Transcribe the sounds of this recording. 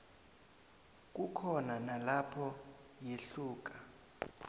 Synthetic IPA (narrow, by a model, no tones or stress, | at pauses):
k̬ʼukʰɔnanalapʰɔ | jeɬuːk̬ʼa